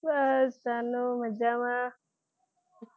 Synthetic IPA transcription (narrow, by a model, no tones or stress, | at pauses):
basanomad͡ʒama